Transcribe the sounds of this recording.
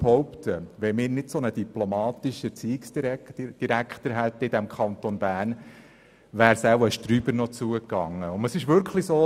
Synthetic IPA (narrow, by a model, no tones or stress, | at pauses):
hɔwpt̪ʰəʋɛmɪːɾnɪtsɔnəd̪iplomɑːt̪iʃət͡siːɪksdiɾd̥iɾækχt̪əɾɦæt̪ːəɪd̪æmkʰχɑnt̪onbæːn | ʋæːɾsæwəʃtɾyːbəɾnɔt͡suəkɑŋːəʊndəsɪʃʋʏɾkχlisoː